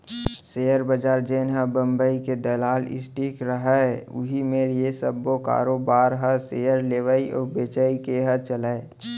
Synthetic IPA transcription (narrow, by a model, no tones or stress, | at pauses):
seːjəɾbəd͡ʒaːɾd͡ʒeːnɦəbə̃mbəiked̪əlaːlɪ̰sʈikɾəɦəʊ̰ɦimeːɾjesəbːoka̰ːɾobaːɾɦəsejəɾleːʋəiʔɔːbeːt͡ʃəikeɦət͡ʃələe